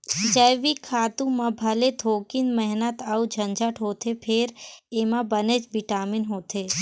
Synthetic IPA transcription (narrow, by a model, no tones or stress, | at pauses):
d͡ʒəjʋikʰaːt̪ũmãbʱɐlet̪ʰoːkinmɛɦnət̪aud͡ʒʱənd͡ʒʱəʈʰɦoːt̪ʰepʰeɾeːmãbənet͡ʃbɪʈaːminɦoːt̪ʰe